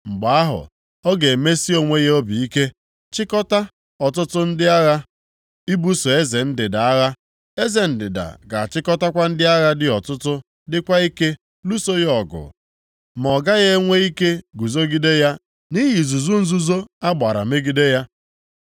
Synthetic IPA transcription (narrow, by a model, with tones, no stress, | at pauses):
ŋ͡m̩˨ɡ͡ba˨a˦ɦʊ̰˨ | ɔ˦ɡe˨me˦si˦o˨ŋʷe˦ɣe˦o˦bi˨i˦ke˦ | t͡ʃɪ˦kɔ˦ta˦ | ɔ˨tʊ˦tʊ˦n̩˦dɪ˦a˦ɣa˦ | i˦bu˦so˨e˦ze˨n̩˦dɪ˨da˨a˦ɣa˦ | e˦ze˨n̩˦dɪ̰˨da̰˨ɡa˨t͡ʃɪ˦kɔ˦ta˦kʷa˦n̩˦dɪ˦a˦ɣa˦dɪ˦ɔ˨tʊ˦tʊ˦ | dɪ˦kʷa˦i˦ke˦ | lu˦so˦ɣɔ˨ɡʊ̰˨ | m˨ɔ˨ɡa˦ɣe˦ŋʷe˦i˦ke˦ɡu˨zo˦ɡi˦de˦ja˦ | ni˦ɣi˨zu˨zu˦n̩˦zu˦zo˦a˦ɡ͡ba˨ɾa̰˨me˦ɡi˦de˦ja˦